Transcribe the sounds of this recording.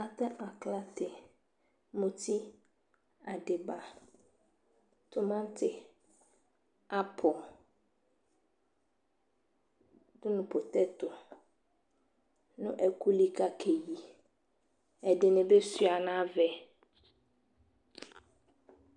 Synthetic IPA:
a˨t̪a˦ʔa˨kla˦t̪ɪ˨ | mũ˨t̪ʰi˦ | a˨ɖɪ˨ba˨ | t̪ʊ˦mã˦t̪ɪ˦ | a˦pʰɔ˨ | dʊ˦nʊ̃˨po˨t̪ɛ˦t̪ʊ˨ | nʊ̃˦ʔɛ˨ku˦li˨ka˦kʰe˨ji˨ | ɛ˨dɪ˨nɪ̃˨be˦sɥa˨nã˦vɛ˨

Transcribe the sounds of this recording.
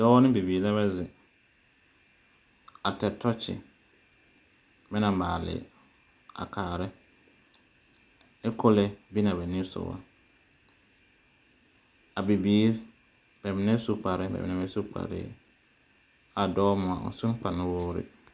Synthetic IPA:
dɔː˦wa˦nɪ̃˦bi˨biː˨la˦βa˦zɪ˨ | a˨tɛ˨tʰɔ˦t͡ʃɪ̰˨ | mɪ˦na˨ma̰ː˨lɪ̰˨ | a̰˨kʰaː˨ɾɪ˦ | ɛ˦kʰo˦lɛ˦bi˦na˨bɛ˨nɪ˦sʊ̰˨wa̰˦ | a˨bi˨biː˨˦ɾ | bɛ˨mɪ˨nɛ˦su˦k͡pa˨ɾɪ˦bɛ̰˨mɪ̰˨ɛ˨˦bɛ˦su˦k͡pa̰˨ɾɪ̰ː˦ | a˨dɔː˦mʊ˨a̰˨ʊ̰˨sʊ˦n˦k͡pa˨nʊ˦woː˦ɾɪ̰˦

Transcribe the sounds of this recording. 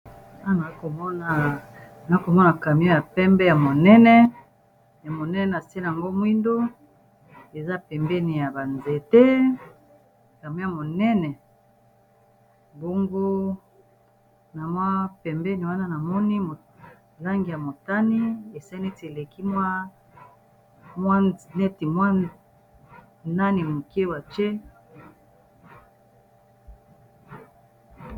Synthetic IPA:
a˦˨na˨˦ko˨mɔ˦na˨ | na˨˦ko˨mɔ˦na˨ka˨mi˦o˦ja˨pɛ˦mbɛ˦ja˨mo˨nɛ˦nɛ˦ | ja˨mo˨nɛ˦nɛ˨na˨se˦na˨a˨ŋɡo˦mwi˦ndo˦ | e˨za˦pɛ˨mbɛ˦ni˨ja˨ba˨nze˨te˦˨ | ka˨mi˦o˦a˨mo˨nɛ˦nɛ˨ | bo˦ŋɡo˦ | na˨mwa˦pɛ˨mbɛ˦ni˨wa˦na˦na˨mɔ˦ni˦mo˨ | la˦ŋɡi˨ja˨mo˨ta˦ni˦e˨sa˦ne˦ti˨e˨le˨ki˦mwa˦ | mwa˦nɛ˦ti˨mwa˦ | na˦ni˨mu˨ke˦wa˨t͡ʃe˦

